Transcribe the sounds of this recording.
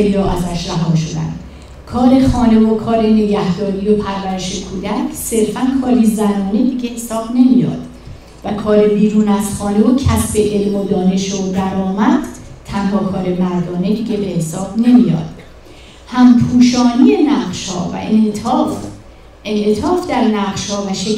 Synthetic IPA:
elːɒːʔæzæʃɾæɦɒːʃod̪æ̰nd̪̥ | kʰɒːɾe̞χɒːne̞vokʰɒːɾene̞ɟæhd̪ɒːɾijopʰæɾvæɾe̞ʃekʰuːd̪æcʰse̞ɾfænkʰɒːɾizænɒːne̞d̪iːɟehesɒːb̥ne̞mijɒ̰ːd̪̥ | vækʰɒːɾe̞biːɾuːnæz̥χɒːnevocʰæsb̥e̞ʔelmod̪ɒːne̞ʃod̪æɾɒːmæd̪̥t̪ʰænɦɒːkʰɒːɾe̞mæɾd̪ɒːne̞d̪iːɟebe̞hesɒːb̥ne̞mijɒ̰ːd̪̥ | hæmpʰuːʃɒːnije̞næʁʃhɒ̰ːvæ̰ʔef | ʔenʔet̪ʰɒːfd̪æɾnæʁʃhɒːvæʃe

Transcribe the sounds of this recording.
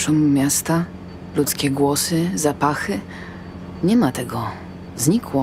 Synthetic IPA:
ʂɔmmʲjast̪a | lut̪skʲɛɡwɔsɘzapaxɘ | ɲɛmat̪ɛɡɔ | zɲikwɔ

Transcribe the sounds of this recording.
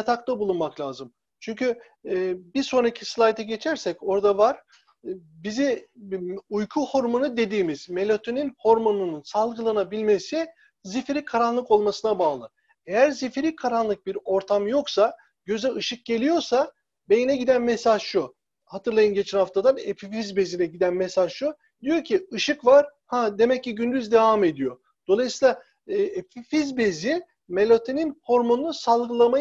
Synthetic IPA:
jat̪ʰakt̪abulˠunmaklʲaːzɯm | t͡ʃʰyɲcʰyː | biɾso̞nɾacʰislˠajt̪ʰɛɟe̞t͡ʃʰæɾsɛco̞ɾd̪avaɾ̥ | bizi | ujkʰuho̞ɾmo̞nud̪e̞d̪iːmiz̥me̞lʲot̪ʰyninho̞ɾmo̞nununsalˠɡɯlˠanabilʲme̞si | zifɾikʰaɾanlˠɯko̞lˠmasɯnabaːlˠɯ | e̞jæɾzifɾikʰaɾanlˠɯk̚biɾo̞ɾt̪ʰamjo̞ksa | ɟ̥ø̞zɛʔɯʃɯk̚ɟe̞lʲijo̞ɾsa | be̞jinɛɟid̪ænmesaʒʃu | hat̪ʰɯɾlˠajɯnɟe̞t͡ʃʰænhaft̪ʰad̪aepifizbe̞zinɛɟid̪ænmesaʒʃu | d̪ijo̞ɾcʰiɯʃɯkvaɾ̥had̪e̞mɛcːiɟynd̪yzd̪e̞vame̞d̪ijo̞ | d̪̥o̞lˠajsɯiːlˠa | epifizbe̞zi | melʲot̪ʰe̞ninho̞ɾmo̞nːˠusalˠɡɯlˠama

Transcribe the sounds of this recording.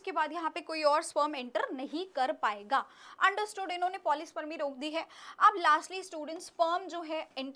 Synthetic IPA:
kebaːd̪jɐɦãpekoːiɔːɾspəːmɛ̃ɳʈəɾnɐɦĩkɐɾpaːeːɡaːɐ̃ɳɖəɾsʈoːɖɪnõːnepɔːlɪsi̥pəɾmĩɾoːk̚ʰd̪iɦɛːɐblaːsʈliːsʈuːɖə̃ɳʈspəːmd͡ʒoːɦɛɛɳʈ

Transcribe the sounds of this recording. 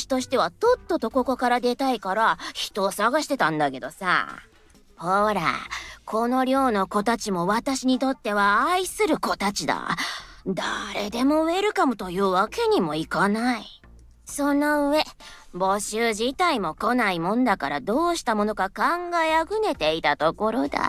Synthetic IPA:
ɕi̥t̪o̞ɕi̥t̪e̞βat̪o̞t̪ːo̞t̪o̞ko̞ko̞kaɾad̪e̞t̪aikaɾaçi̥t̪o̞ːsaɡaɕi̥t̪e̞t̪ãnd̪ake̞d̪o̞sa̰ | hoːɾa̰kʰo̞no̞ɾʲo̞ːno̞ko̞t̪at͡ɕimo̞βat̪aɕiɲ̟it̪o̞t̪ːe̞βaːisɨɾɯ̟ko̞t̪at͡ɕid̪a̰d̪aɾed̪e̞mo̞ɯ̟e̞ɾɯ̟kamot̪o̞jɯ̟ːβake̞ɲ̟imo̞ikanai | so̞no̞ɯ̟e̞ | bo̞ɕɨːʑit̪aimo̞ko̞naimõ̞nd̪akaɾad̪o̞ːɕi̥t̪amo̞no̞kakãŋɡaeaɡɯ̟ne̞t̪e̞it̪at̪o̞ko̞ɾo̞d̪a̰

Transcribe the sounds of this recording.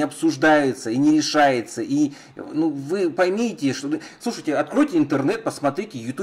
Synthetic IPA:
ɪɐpsʊʐd̪ajʊt̪səinʲɪɾʲɪʂajɪt̪səʔi | nuvɨpɐjmʲitʲɪʂt̪oɨ | slˠuʂəjtʲɪɐt̪̚kɾojtʲɪɪnt̪ərnɛt̪̚pəsmɐt̪ɾʲitʲɪjʊt̪ʲu

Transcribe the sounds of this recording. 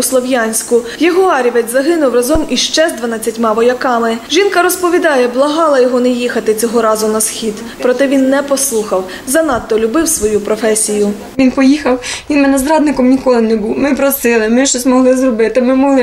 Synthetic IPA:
slˠɔʋjɑnʲsʲkʊjɔɦɔɑɾʲiʋɛt͡s̪ʲzɐɦɪnʊwrɐzɔmiʃt͡ʃɛzd̪ʋɐnɑt͡sʲːɐtʲmɑʋɔjɐkɑmɪʒinkɐɾɔspɔʋʲid̪ɑjɛblˠɐɦɑlˠɐjɔɦɔnɛjixɐt̪ɪt͡sʲɔɦɔɾɑzʊnɐsxʲid̪ | pɾɔt̪ɛʋʲinːɛpɔslˠuxɐw | zɐnɑt̪ːɔlʲʊbɪwsʋɔjupɾɔfɛsʲijʊ | ʋʲinpɔjixɐwʋʲinmɛnɛzɾɑd̪̚nɪkɔmnʲikɔlˠɪnɛbuwmɪpɾɔsɪlˠɪmɪʃt͡ʃɔsʲmɔɦlˠɪzrɔbɪt̪ɪmɪmɔɦlˠɪ

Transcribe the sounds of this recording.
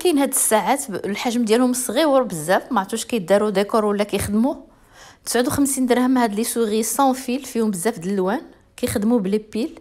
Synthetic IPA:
kænhæd̪əsːaʕat̪lħaʒmd̪jælhʊmsˤɣiwɾbəzːæfmaʕt̪ˤuʃkæj̪̚d̪ɑɾˤud̪ekuɾˤwəlːækæjxəd̪mu | t̪ə̥sʕʊd̪uxəmsind̪əɾhəmhæd̪lisuɣisˤɑ̃filfihʊmbəzːæfd̪əlːwæn | kæjxd̪mublibil

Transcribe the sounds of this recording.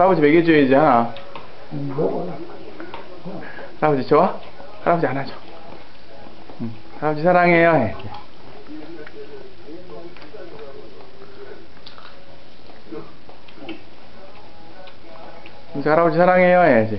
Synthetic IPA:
aɾabod͡ʑimeɡed͡ʑoid͡ʑihana | haɾabod͡ʑit͡ɕʰowa | haɾabod͡ʑianad͡ʑo̥ | haɾabod͡ʑisʰaɾaŋejojee | sehaɾabod͡ʑisʰaɾaŋejojed͡ʑi

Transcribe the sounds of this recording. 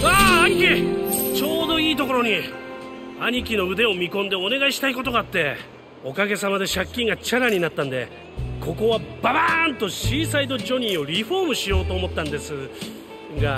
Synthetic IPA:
aːaɲ̟ikʲit͡ɕo̞ːd̪o̞iːt̪o̞ko̞ɾo̞ɲ̟i | aɲ̟ik̬ʲino̞ɯ̟d̪e̞o̞mʲikõnd̪e̞o̞ne̞ɡaiɕi̥t̪aiko̞t̪o̞ɡaːt̪ːe̞ | o̞kaɡe̞samad̪e̞ɕakʲːĩŋɡat͡ɕaɾaɲ̟inat̪ːãnd̪e̞̰ | kʰo̞ko̞βabant̪o̞ɕiːsait̪o̞d͡ʑo̞ɲ̟ĩo̞ɾʲiɸo̞ːmɯ̟ɕijo̞ːt̪o̞ːmo̞t̪ːãnd̪e̞sɨ | ɡa

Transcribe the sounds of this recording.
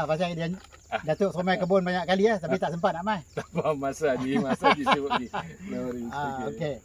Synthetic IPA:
pas̬ada | dat̪oʔsomɛkəbʊnbaɲaʔkaliaht̪apit̪aʔsəmpat̪̚naʔmat̪abamasadimasadisuuiloɾaoke

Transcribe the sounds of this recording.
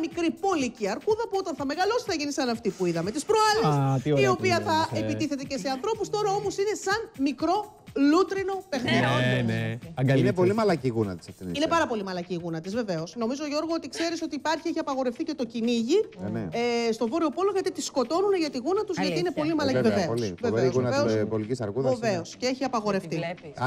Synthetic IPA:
ɐmikɾipo̞liciɐɾkuðɐpuo̞t̪ɐnθɐme̞ɣɐlo̞si̥θɐʝinisɐnɐft̪ipuiðɐmet̪ispɾoɐlestio̞piɐθɐepit̪iθe̞t̪e̞ceseɐnθɾo̞pust̪o̞ɾɐo̞mo̞sine̞sɐnmikɾo̞ | lut̪ɾino̞pe̞xnio | inepo̞limɐlɐciɣunɐ̰t̪i̥sɐt̪ininepɐɾɐpo̞limɐlɐciːɣunɐt̪izve̞ve̞o̞sno̞mizoʝo̞ɾɣot̪ikse̞ɾiso̞t̪iːpɐɾçie̞çiɐpɐɣo̞ɾe̞fθice̞t̪o̞ciniʝinst̪o̞vo̞ɾio̞po̞lo̞ʝɐt̪it̪isko̞t̪o̞nuneʝɐt̪iɣunɐt̪uzʝɐt̪iine̞po̞limɐlɐveveoosiveveoveosbolikisɐɾɣuðɐveo̞sce̞eçiɐpɐɣo̞ɾe̞ft̪i

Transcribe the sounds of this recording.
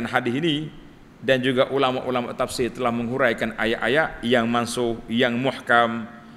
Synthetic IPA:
anɦadɪsini | dand͡ʒuɡaʔulama̰ʔulama̰ʔt̪afsɪrt̪əlahməŋɦuɾajkanajaʔajaʔjaŋmansʊhjaŋmuħkam

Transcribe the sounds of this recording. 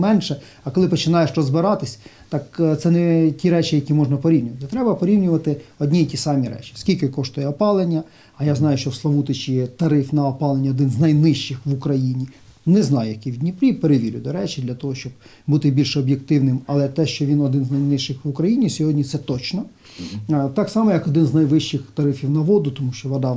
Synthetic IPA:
mɛnʃɛ | ɐkɔlˠɪpɔt͡ʃɪnɑjɛʃɾɔzbɪɾɑt̪ɪsʲt̪ɑkt̪sɛnɛtʲiɾɛt͡ʃɪjɐkʲimɔʐnɐpɔɾʲiwnʲʊʋɐt̪ɪt̪ɾɛbɐpɔɾʲiwnʲʊʋɐt̪ɪɔdʲnʲiitʲisɑmʲiɾɛ̰t͡ʃɪ̥skʲilʲkɪkɔʃt̪ʊjɛɔpɑlˠenʲːɐ | ɐjaznɑjʊʃt͡ʃɔslˠɐʋut̪ɪt͡ʃijɛt̪ɐɾɪfnɐɔpɑlˠenʲːɐɔd̪ɪnznɐjnɪʃt͡ʃɪxʋʊkɾɐjinʲi | nɛznɑjʊjɐkʲiʋʲid̪ʲnʲipɾʲipeɾeʋʲiɾʲʊ̰d̪ɔɾɛt͡ʃʲɪd̪lʲɐt̪ɔɦɔʃt͡ʃɔb̚but̪ɪbʲilʲʃɛɔbjek̚t̪ɪwnɪmɐlˠɛt̪ɛʃt͡ʃɔʋʲinɔd̪ɪnznɐjnɪʃɪxʋʊkɾɐjinʲisʲɔɦɔdʲnʲit̪sɛt̪ɔt͡ʃnɔ | t̪ɑksɑmɔjɐkɔd̪ɪnznɐjʋɪʃt͡ʃːɪxt̪ɐɾɪfʲiwnɐʋɔd̪ʊt̪ɔmuʃt͡ʃɔʋɐd̪ɑ

